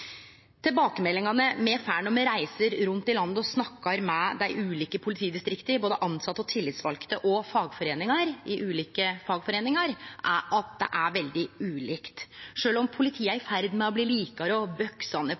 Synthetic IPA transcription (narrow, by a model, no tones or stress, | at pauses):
t̪ʰɪlbɑːkəmɛlːɪŋɑnəmɛfæːɳɔmɛɾæɪsəɾɾʉnt̪ɪlɑnd̪ɔsnɑkːɑɾmɛd̪æɪʔʉːliːkəpʰʊlɪt̪ʰiːd̪ɪst̪ɾɪkt̪əɾboːd̪əʔɑnsɑt̪ːəɔt̪ʰɪlːɪt̪sʋɑlkt̪əʔɔfɑːɡfɔɾeːnɪŋɑɾɪʔʉːliːkəfɑːɡfɔɾeːnɪŋɑɾʔæʔɑt̪̚d̪ɛ̰ʔæɾʋɛld̪ɪʉːliːkt̪ʂøːlɔmpʰʊlɪt̪ʰiːəæɾɪfæɾd̪mɛɔbliːliːkɑɾəɔbœksɑnə